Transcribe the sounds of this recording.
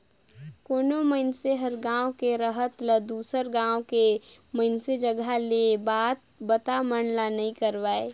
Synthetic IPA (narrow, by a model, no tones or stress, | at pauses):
koːnoməɪnseɦəɾɡãːõkeɾəɦət̪ləd̪uːsəɾɡãːõke | məɪnsed͡ʒəɡalebaːt̪̚ | bət̪amənlanəɦĩkəɾʋaːeː